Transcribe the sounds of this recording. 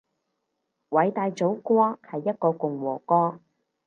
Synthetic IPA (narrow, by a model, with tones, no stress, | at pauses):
wɐ˨˥jt̪aː˧jt͡so˨˥wkʷɔː˥hɐ˨jːɐ˥t̚kɔː˧kʊ˨ŋwɔː˨˩kɔː˥